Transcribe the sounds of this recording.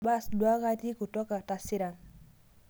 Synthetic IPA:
ba˦sdwa˦ka˦ti˦ku˨tɔ˦ka˨ta˨sɪ˦ɾa˨n

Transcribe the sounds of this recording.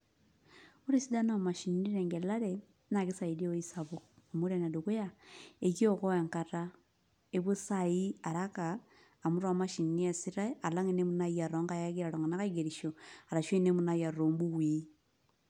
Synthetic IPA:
u˦ɾi˦si˦da˦na˦˨ma˨ʃi˨n˦ni˦ɾɛ˨ŋɡe˨la˦ɾe˨ | na˨ɣi˦sa˨i˨do˦i˦sa˨βo˨a˨mu˦ɾe˦˨na˨duku˦ja˦e˨ki˦o˦kɔ˦e˨ŋkata | eβo˦sai˦a˨ɾa˦kaː˨ | mu˦ɾwa˨ma˦ʃi˨nːi˦a˨si˦ɾa˦a˨la˦ŋe˦ne˦mu˦na˦ia˨ɾɔ˦ŋɡa˦˨ja˦ɣi˦ɾa˨ɾo˨ŋɡa˨na˦ka˦i˦ɡe˨ɾiʃo˨a˨ɾa˨ʃwe˦ne˦mu˦na˦ja˨ɾoː˨mbu˦ɣwiː˦

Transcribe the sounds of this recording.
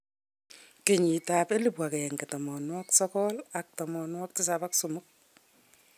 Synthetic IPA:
ke˨ɲi˨ta˨pe˦li˨pwa˨kɛ˨ɛ˨ŋke˨tɔ˨mɔ˨nwaksɔkɔla˨k̚tɔ˨mɔ˨nwak̚tɪ˦sa˨paksumʊk̚

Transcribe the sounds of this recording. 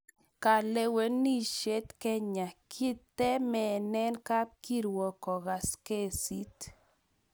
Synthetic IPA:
ka˧˨le˧we˧˦nːi˦ʃe˦t̪ke˧ɲa˨kʰi˦t̪e˦me˨ne˦nka˦p̚ki˧ɾwo˨˧ko˨ɣa˨ske˧si˦t̪

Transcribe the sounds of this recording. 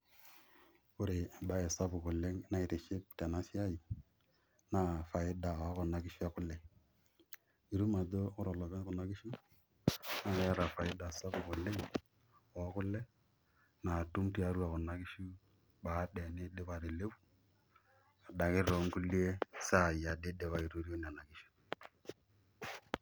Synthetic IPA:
kʊ˦ɾe˨a˨ba˦e˨sa˦bʊ˨kʊ˨lɪ˦ŋna˦ɪ˨tɪ˨ʃɪ˦p̚te˨na˦sɪ˦a˦i˨ | na˦˨fa˨ɪ˦da˨a˦kʊ˨na˨kɪ˦ʃu˦a˦kʊ˦lːɛ˨ | i˨ɾu˦ma˨do˦ʊ˦ɾɔ˨lɔ˨kɛ˦n˦kʊ˨na˦kɪ˦ʃu˦ | na˦˨˦a˦ɾa˨fa˨ɪ˦da˨sa˦bʊ˨kʊ˨lɪ˦ŋ | ɔ˨˦kʊ˦lɛ˦ | na˨tʊ˦mti˦a˨˦ɾu˦a˨kʊ˨na˦kɪ˦ʃu˦ | ɓa˨˦ɗɛ˨nɪ˦de˦ba˨ɾɪ˨le˦fu˨ | a˨da˨kɪ˦ɾo˨˦ŋ˦kʊ˦li˦e˦sa˦˨ja˨de˦de˨wa˦i˨ɾu˦ɾi˦o˦n˨a˨na˨kɪ˦ʃu̥˦

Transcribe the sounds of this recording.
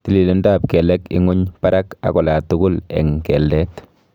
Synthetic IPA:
ti˨li˨lo˦nda˨pkɛ˨lɛ˦kɪ̰˦ŋʊ˦ɲpa˦ɾa˦ka̰˨kɔ˨la˨tʊ˦kʊ˦lɛ̰˨ŋkɛ˨ldɛ˦t

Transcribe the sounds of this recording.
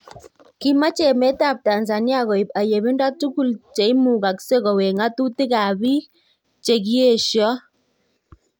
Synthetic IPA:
ki˦ma˦t͡ʃe˨mɛ˦ta˦˨p̚ta˨nza˨ni˦a˦ɣɔ˨i˨pa˨je˨βi˦nda˦tu˦ku˦˨lt͡ʃe˨i˦mu˨ka˨kse˦kɔ˨we˨ŋa˦tu˦ti˦ka˨bi˦ | t͡ʃe˨k̬i˦e˦˨ʃjɔ˦

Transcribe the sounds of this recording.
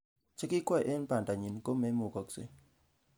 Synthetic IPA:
t͡ʃe˦ki˦kwɔ˦˨ʔe˦n˦pa˨nta˨ɲi˨nko˦me˦mo˨kɔ˨ksḛ˦

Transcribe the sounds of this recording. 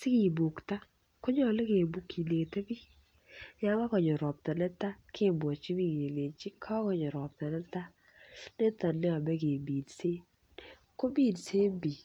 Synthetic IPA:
sɪ˦ki˨bu˨kta˦ | ko˦ɲɔ˨le˦ke˨bu˨kːi˨le˨te˦bi˦ | ɲa˦ŋa˦kɔ˨ɲɔ˨ɾɔ˨p̚ta˨nɛ˦ta˦kʰe˦˨bwɔ˨t͡ʃi˦bi˦˨ɡe˨le˨t͡ʃi˦kʰa˦kɔ˨ɲɔ˨ɾɔ˨p̚ta˨nɛ˦ta˦ | ne˦ta˨nɛ˦a˨bɛ˦ɡe˨bi˨dse˦ | ko˦bi˦˨nse˦bi˨

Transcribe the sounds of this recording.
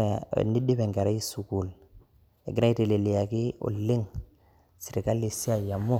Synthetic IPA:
ni˦di˦be˨ŋɡa˨ɾa˦ji˦su˨ku˨l | ḛ˨ɡi˦na˦i˦te˨le˨li˨ja˨ki˦o̰˨lːi˦ŋ | si˨ɾi˨ka˦li˨si˦a˨ja˨mːo˦

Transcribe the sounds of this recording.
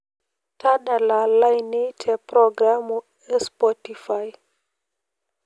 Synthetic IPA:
ta˦da˨la˨la˦jne˦tʰɛ˨pɾɔ˨ɡɾa˦mu˨ | ɛ˦spɔ˦ti˨fa˦j

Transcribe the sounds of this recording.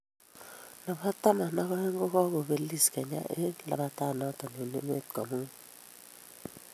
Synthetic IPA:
nɔ˨pa˦ta˦ma˨na˦kɔ˦he˦ŋ˦ɡo˦kɔ˦ko˨be˨li˦skɛ˨ɲa̰˦ʔe˦la̰˨ba˦ta˦˨nɔ˦tɔ˨ne˨nḛ˦me˦t̚kɔ˨mu˦ŋ

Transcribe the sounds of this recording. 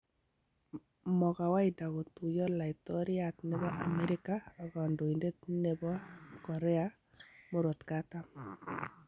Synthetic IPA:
mɔ˨ka˨wa˦ɪ˨da˨ɡo˨t̪u˨jɔ˦la˨ɪ˨t̪ɔ˦ɾɪ˦a˨t̪nɛ˨bɔ˦ʔa˨mɛ˦ɾɪ˦ka˦a˨ɡɔ˨ndo˨i˨nde˦tne˦bɔ˦kɔ˨ɾɛ˦a˦ | mo˦ɾo˨t̪ka˦t̪a˦

